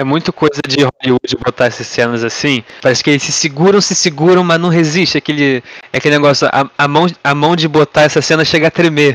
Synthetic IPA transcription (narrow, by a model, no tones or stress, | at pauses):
ɛmũj̃t̪ʊkojzɐd͡ʒɪɦoliud͡ʒɪbot̪aɛsɐssẽnɐzasĩpaɾɛsɪ̥kɪelɪsɪsiɡuɾɐ̃w̃sɪsɪɡuɾɐ̃w̃mɐznɐ̃w̃ɦeziʃt͡ʃɪakelɪɛkelɪneɡɔsjʊɐ̰ɐmɐ̃w̃ɐmɐ̃w̃d͡ʒɪbot̪aɛsɐsẽnɐʃeɡɐat̪ɾeme